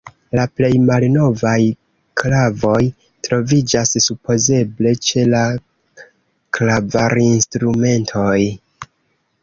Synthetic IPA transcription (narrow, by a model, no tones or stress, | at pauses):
laple̞jmalno̞vaj | klavo̞j | tɾo̞vid͡ʒassupʰo̞ze̞ble̞t͡ʃe̞la | klabaɾinstɾume̞ntʰo̞j